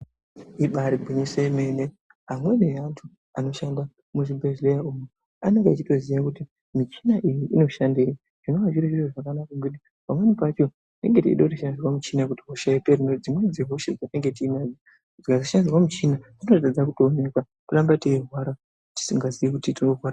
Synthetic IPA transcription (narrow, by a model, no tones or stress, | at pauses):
iɓaɾibʱuɲiseime̞ne | ɦamwe̞nejantʰu | ano̞ʃanda | muʐibʱeʐlejaumu | ane̞ŋɡeat͡ʃito̞zijakuti | mit͡ʃi̥naʔijiʔino̞ʃandei | ʐ̥ino̞waʒiɾeʐireʐakanakaŋɡiɗi | pamwe̞nipat͡ʃo̞ | nde̞̰ŋɡetḭiɗatiʃandirwamut͡ʃinakutiɦoʃaiperinod͡zimwe̞d͡zeɦo̞ʃed͡zateŋɡe̞tiːmad͡za | d͡zikazaʃandirwamut͡ʃina | inotad͡zakutoːne̞kwa | palambateiɦwaɾa | ti̥siŋɡaziʋikutitiŋoɦwaɾa